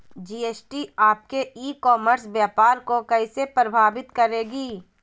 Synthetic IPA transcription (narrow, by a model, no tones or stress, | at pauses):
d͡ʒiːeːsʈiaːp̚keʔiːkɔːməɾsbjaːpaːɾkokɐisepɾəbʱaːʋɪt̪kɐɾeːɡiː